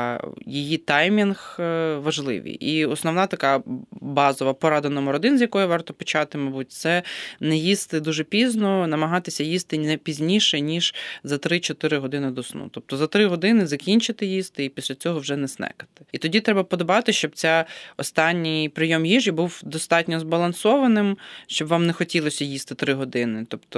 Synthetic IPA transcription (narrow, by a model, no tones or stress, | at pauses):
jejit̪ɑjmʲinxʋɐʒlˠɪ̰ʋʲḭjʔiɔsnɔwnɑt̪ɐkɑbɑzɔʋɐpɔɾɑd̪enɔmɔɾɔd̪ɪnzʲjɐkɔjiʋɑrt̪ɔpɔ̥t͡ʃɑt̪ɪmɐbut̚ʲt̪sɛnɛjist̪ɪd̪uʒɛpʲiznɔnɐmɐɦɑt̪ɪsʲɐjist̪ɪnɛpʲizʲnʲiʃɛnʲiʒ̥zɐt̪ɾɪt͡ʃɔt̪ɪɾɪɦɔd̪ɪnɪd̪ɔsnṵt̪ɔp̚t̪ɔzɐt̪ɾɪɦɔd̪ɪnɪzɐkʲinʲt͡ʃɪt̪ɪjist̪ɪipʲisʲlʲɐt͡sʲɔɦɔwʒɛnɛsnɛ̰kɐ̥t̪ɪ̥it̪ɔdʲit̪ɾɛbɐpɔd̪ɔbɑt̪ɪʃt͡ʃɔb̚t͡sʲaɔst̪ɑnʲːijpɾɪjɔmjiʒibuwd̪ɔst̪ɑtʲnʲɔzbɐlˠɐnsɔʋɐnɪmʃt͡ʃɔbʋɑmnɛxɔtʲilˠɔsʲɐjist̪ɪt̪ɾɪɦɔd̪ɪnɪt̪ɔpt̪ɔ